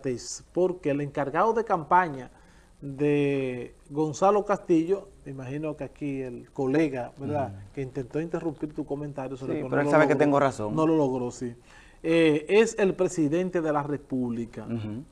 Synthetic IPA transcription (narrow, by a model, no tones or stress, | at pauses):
t̪espo̞ɾke̞ːleŋkaɾɣaðoðe̞kampaɲa | ðe | ɣo̞nsalo̞kast̪iʝo̞me̞imahinokeakielko̞le̞ɣabeɾðakeint̪e̞nt̪o̞int̪e̞rumpiɾt̪uko̞mẽnt̪aɾjosoeoɾeosaβeket̪eŋɡorasoŋnololoɣɾo̞si | eese̞lpɾe̞siðe̞nt̪e̞ðe̞lare̞puβlika